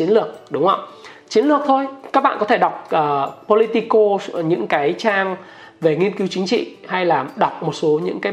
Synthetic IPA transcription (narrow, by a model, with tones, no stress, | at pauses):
t͡ɕi˨˦ənlɨ˨˩ək̚ɗʊ˨˦ŋ͡mhə˧wt͡ɕi˨˦ənlɨ˨˩ək̚t̪ʰo˧jkaː˦˥k̚ɓa̰ː˧˨kɔ˨˦t̪ʰe˧˩ɗa˨˩wk͡p̚ʔəː˨˩po˧li˧t̪i˧ko˧ɲɨ̰˧˥ŋkaː˨˦jt͡ɕaː˧ŋ | ve˨˩ŋi˧ənki˨˦wt͡ɕï˨˦ŋ̟t͡ɕḭ˧˨ha˧jlaː˨˩ɗwk͡p̚mo˨˩t̚so˨˦ɲɨ̰˧˥ŋkaː˨˦